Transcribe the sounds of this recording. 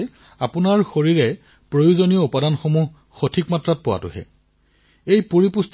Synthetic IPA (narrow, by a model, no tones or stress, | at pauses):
apʊnaɹxoɹiɹɛ | pɹojuzonijɔupadanxomuɦ | xotʰikmatɹat̚pʊwa̰tʊ̰ɦɛ̰ | ejpuɹipust